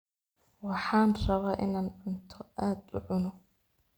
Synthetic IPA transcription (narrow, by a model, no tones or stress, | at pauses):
wɑħaːnrɑβɑʔɪnaːnʕʊnt̪ʰʊʔaːd̪lʊʕʊnʊ